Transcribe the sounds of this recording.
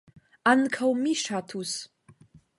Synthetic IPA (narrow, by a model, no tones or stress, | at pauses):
ankʰawmiʂatʰus